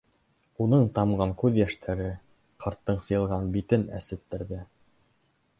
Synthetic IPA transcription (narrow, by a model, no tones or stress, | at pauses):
unɤɴt̪ɑmɢɑŋkʉðjæʃt̪ʰæɾɘ | qʰɑɾt̪ːɤɴsɤ̆jɤ̆lˠʁɑnbit̪ɘnæ̰sɘ̆t̪ːɘ̆ɾðɘ